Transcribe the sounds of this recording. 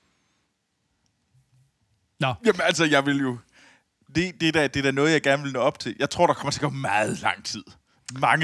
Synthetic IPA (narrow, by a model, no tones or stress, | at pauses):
jæmənælsəjɑ̈ɪʋe̝ljo̝ | de̝d̥e̝d̥æd̥e̝d̥æɐnɔð̞̩ˠjɑ̈ɪɡ̥æɐnəʋe̝lnɔɒ̽b̥̚t͡sʰe̝ljɑ̈ɪt͡sʰʁo̝ɐ̰ɾ̥ɑ̈kʰɒ̽mɐt͡sʰe̝ɡ̥ɒmɑ̈ːð̩ˠlɑ̈ŋ̰t͡sʰið̞̰ˠ | mɑ̈ŋ